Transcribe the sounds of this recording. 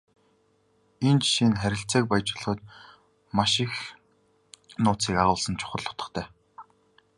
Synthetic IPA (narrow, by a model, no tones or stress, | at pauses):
int͡ɕʃinχæɾʲɪ̆ɬt͡seːk̚pajt͡ɕɪ̆ɮχə̆ːt̪̚ | maʃɪx | nʊːt͡siːkaʁʊːɮsə̆nt͡ɕʰʊ̥χə̆ɮːʊ̥t̪ə̆χt̪ʰæː